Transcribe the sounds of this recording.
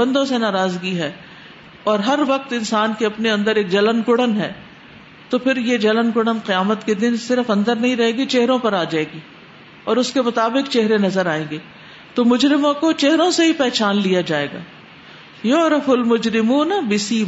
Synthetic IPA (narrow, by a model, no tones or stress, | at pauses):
ə̃nd̪õsenaːɾaːzɡiɦɛː | ɔːɾɦɐɾʋɐq̚t̪ɪ̃nsaːnkeɐpneɐ̃nd̪əɾeːk̚d͡ʒɐlənkʊɽənɦɛ̰ː | t̪opʰɪɾjed͡ʒɐlənkʊɽənqɪjaːmət̪ked̪ɪnsɪɾəfɐ̃nd̪əɾnɐɦĩɾɐɦẽːɡit͡ʃeɦɾõpɐɾaːd͡ʒaːeːɡiː | ɔːɾʊskemʊt̪aːbɪqt͡ʃɛɦɾenɐzəɾaːẽːŋɡeː | t̪omʊd͡ʒɾɪmõkot͡ʃeɦɾõseɦipɛːt͡ʃaːnlijad͡ʒaːḛːɡa̰ː | joɾɐfʊlmʊd͡ʒɾɪmuːnbɪsiː